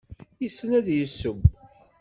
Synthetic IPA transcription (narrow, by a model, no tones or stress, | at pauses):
jəsːnæðjəsːəm